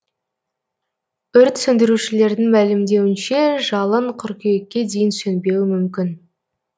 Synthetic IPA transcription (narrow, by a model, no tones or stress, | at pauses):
ʏɾt̪sɵnd̪ɪɾuʃɪle̞ɾd̪ɪŋmælɪmd̪e̞wɪnʃe̞ʒɑlˠəɴqʰʊɾkʲʰejekʲːe̞d̪e̞jɪnsɵnbe̞wɪmʏmkʲɪn